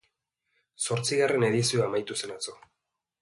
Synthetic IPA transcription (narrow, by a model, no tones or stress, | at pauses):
so̞ɾt͡siɣare̞ne̞ð̞isioamajt̪use̞nat͡so̞